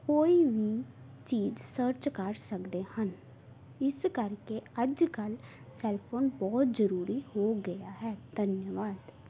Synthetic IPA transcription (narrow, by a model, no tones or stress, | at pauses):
koːiːʋiː | t͡ʃiːzsəɾt͡ʃkəɾsəkd̪eːhən | ɪskəɾkeəd͡ʒkəl | sɛːlpʰoːnbɔːt̪zəɾuːɾiːhoːɡəjaːɦɛːd̪̥ənjəʋaːd̪